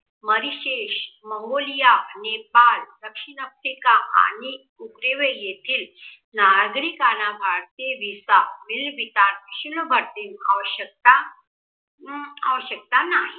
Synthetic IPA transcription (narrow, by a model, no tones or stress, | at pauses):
məɾiɕeɕməŋɡolijanepald̪əkʂinəfɾikaa̰ñi | ukɾeʋejet̪ʰiːl | naɡɾikanabʱaɽt̪eʋisamilʋit̪anɕunəbʱəɽt̪inaʋəɕək̚t̪a | aʋəɕək̚t̪anaɦi